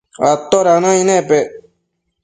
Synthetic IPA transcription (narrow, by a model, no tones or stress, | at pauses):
at̪ːoɾanãinepe